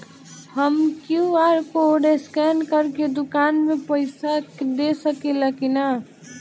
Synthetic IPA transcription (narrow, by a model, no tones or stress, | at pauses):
həmkjũaːɾkooɖeskɛːnkəɾked̪ʊkaːnmẽpəɪsakd̪eːsəkelakina